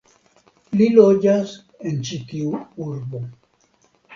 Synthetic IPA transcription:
lilod͡ʒas | ent͡ʃit̪iuuɾbo

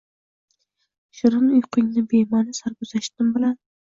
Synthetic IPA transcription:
ʃɪɾɪnʊjqʰɪŋnɪbemanɪsaɾbʊzaʃt̪ɪmbɪlan

